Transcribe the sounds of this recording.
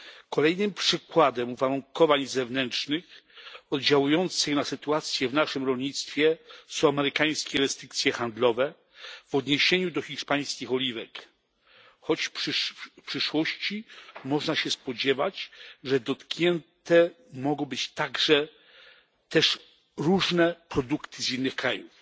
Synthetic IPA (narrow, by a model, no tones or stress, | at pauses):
kɔlɛjnɘmpʂɘkwad̪ɛmuvaɾuŋkɔvaɲzɛvnɛnt͡ʂnɘxɔd̪d͡ʑawujɔnt̪sɘxnasɘt̪uat̪sʲjɛvnaʂɘmɾɔlɲit̪st̪fʲjɛsɔ̃amɛɾɘkaj̃skʲɛɾɛst̪ɾɘkt̪sʲjɛxand̪lɔvɛ | vɔd̪ɲeɕeɲud̪ɔxʲiʂpaj̃skʲixɔlʲivɛk | xɔt͡ɕʂpʂɘʂwɔɕt͡ɕimɔʐnaɕɛspɔd͡ʑɛvat͡ɕʐɛd̪ɔt̪kɲɛnt̪ɛ | mɔɡɔ̃w̃bɘt͡ɕt̪aɡʐɛ | t̪ɛʂ | ɾuʐnɛpɾɔd̪ukt̪ʰɘzinːɘxkɾajuf